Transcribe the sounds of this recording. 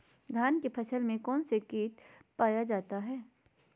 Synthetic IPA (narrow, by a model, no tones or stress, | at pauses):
ɡʱaːnkepʰɐʃəlmẽkɔːnsekiːt̪paːjad͡ʒaːt̪aɦɛː